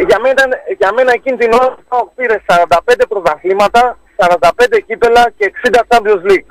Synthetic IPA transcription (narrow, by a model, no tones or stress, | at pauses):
ʝɐmet̪ɐnʝɐme̞nɐecind̪inoopiɾessɐɾɐnd̪ɐpe̞nd̪epɾozɐxlimɐt̪ɐsɐɾɐnd̪ɐpend̪ecipe̞lɐceːksind̪ɐt͡sɐmblozlik